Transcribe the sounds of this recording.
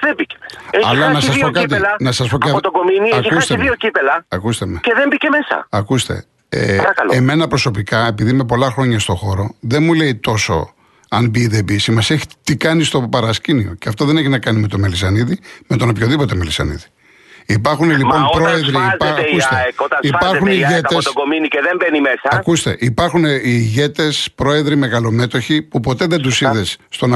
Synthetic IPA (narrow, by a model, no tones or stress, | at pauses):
ðebicemeseɐlɐnɐsɐspokɐt̪̬ilɐnɐsɐspokɐot̪oɡominiɐikust̪eðiocipelɐɐkust̪emeceðembicemesɐ̰ɐkust̪e̞̰ | ḛɾɐkɐloeme̞nɐpɾo̞so̞pikɐe̞piðime̞p̬o̞lɐxɾo̞ɲɐst̪o̞xo̞ɾo̞ðe̞nmule̞it̪o̞so̞̰ | ɐnbiːðebisimɐseçi̥t̪ikɐnist̪o̞pɐɾɐscinio̞ceɐft̪oðe̞neçinɐkɐnime̞t̪omelisɐniðime̞t̪o̞nopçoðipo̞t̪e̞melisɐ̰nḭði | ipɐɾxunelipo̞npɾoeðɾikust̪eot̪ɐipɐɾxuniʝetesoɡominiceðembenimesɐɐkust̪e̞̰ʔipɐɾxuneiʝe̞t̪e̞spɾo̞e̞ðɾime̞ɣɐlo̞me̞t̪o̞çipupo̞t̪e̞ðe̞nd̪usiðe̞sːt̪o̞n